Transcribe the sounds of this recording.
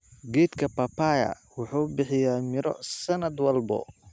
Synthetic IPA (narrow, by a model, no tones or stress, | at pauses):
ɡɛːd̪kʰɐpɐpajɐ̰ | wʊħuːbɪħɪjaːmɪɾɔ̰sɐnɐd̪wɐlbɔ̰